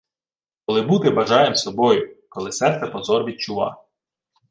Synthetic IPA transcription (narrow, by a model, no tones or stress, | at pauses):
kɔlˠɪbut̪ɪbɐʒɑjemsɔbɔjʊkɔlˠɪsɛrt̪sɛpɔzɔrʋʲid̪̚t͡ʃʊʋɑ̰